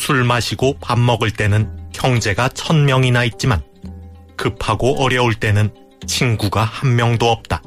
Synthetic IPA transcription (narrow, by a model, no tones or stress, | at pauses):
sʰuɭmaɕʰiɡopamːʌɡɯɭt͈e̞nɯnkjʌŋd͡ʑe̞ɡat͡ɕʰʌnmjʌŋinait̚t͡ɕ͈iman | kɯpʰaɡoʔʌɾjʌoɭt͈e̞nɯn | t͡ɕʰinɡuɡahanːjʌŋdoʌp̚t͈a